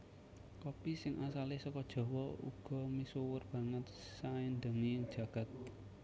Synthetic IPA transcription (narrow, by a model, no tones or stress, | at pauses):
kɔpisɪŋʔasalehsɔkɔd̥ʒ̥ɔ̤wɔṵɡ̥ɔ̤misowʊrb̥a̤ŋət̪̚saɪnd̪ə̤ŋi̥d͡ʒ̥a̤ɡ̥a̤t̪̚